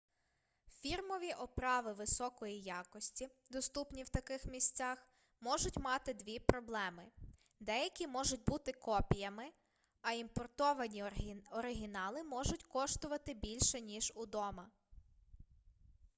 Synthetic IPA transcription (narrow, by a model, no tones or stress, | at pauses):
fʲirmɔʋʲiʔɔpɾɑʋɪʋɪsɔkɔjijɑkɔsʲtʲid̪ɔst̪upnʲiwt̪ɐkɪxmʲisʲt͡sʲɑx | mɔʒʊtʲmɑt̪ɪd̪ʲʋʲipɾɔblˠɛmɪ | d̪ɛjɐkʲimɔʒʊt̚ʲbut̪ɪkɔpʲijɐmɪ | ɐimpɔrt̪ɔʋɐnʲiɔɾɪɦʲinɑlˠɪmɔʒʊtʲkɔʃt̪ʊʋɐt̪ɪbʲilʲʃɛnʲiʒud̪ɔmɐ